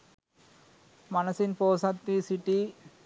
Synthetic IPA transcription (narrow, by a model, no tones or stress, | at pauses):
mɐnɐsɪnpoːsɐt̪ːisiʈːi